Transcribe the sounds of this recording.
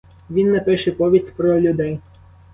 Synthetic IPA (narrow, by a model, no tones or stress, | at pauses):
ʋʲinːɛpɪʃɛpɔʋʲisʲtʲpɾɔlʲʊd̪ɛj